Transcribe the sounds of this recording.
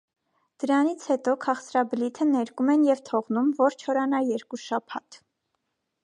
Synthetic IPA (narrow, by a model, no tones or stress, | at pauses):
d̪̥əɾɑnit͡sʰhɛt̪ɔkʰɑχt͡sɾɑblit̪ʰənɛɾkumɛnjɛvt̪ʰɔʁnumvɔɾt͡ʃʰɔɾɑnɑjɛɾkuʃɑpʰɑt̪ʰ